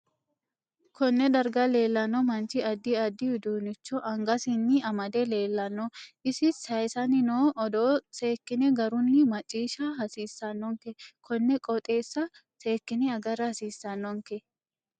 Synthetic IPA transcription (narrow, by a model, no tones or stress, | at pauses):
kɔnːɛd̪ɐɾɡɐle̞ːlːɐnːɔmɐnt͡ʃɪɐd̪ːɪɐd̪ɪʊd̪uːnɪt͡ʃːɔʔɐŋɡɐsɪnːɪɐmɐd̪ɛle̞ːlːɐnːɔʔɪsɪsɐjsɐnɪnoːʔɔd̪oːse̞ːkːɪnɛɡɐɾʊnːɪmɐt͡ʃʼiːʃɐɦɐsiːsːɐnːɔŋkɛkʰɔnːɛkʼɔt̪ʼe̞ːsːɐ | seːkːɪnɛɐɡɐɾɐhɐsiːsːɐnːɔŋkɛ